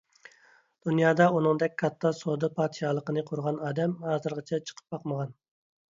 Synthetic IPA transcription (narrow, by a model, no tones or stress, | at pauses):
d̪̥unjɑːd̪ɑunɨŋd̪ɛk̚ʲkʰɑt̪ʰːɑsod̪ɨpʰɑːt̪ʃɑːlˠəqənɨqʰʊɾʁɑnɑːd̪ɛmhɑːzɨɾʁɑt͡ʃʰɛt͡ʃʰə̥qʰə̥p̚bɑqməʁɑn